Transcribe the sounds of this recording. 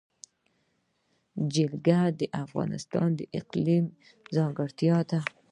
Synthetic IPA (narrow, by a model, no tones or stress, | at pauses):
d͡ʒɪlɡad̪əʔafɣɑ̰nɪ̰st̪ɑ̰nd̪əʔɪqlim | zɑŋɡəɽt̪jɑt̪a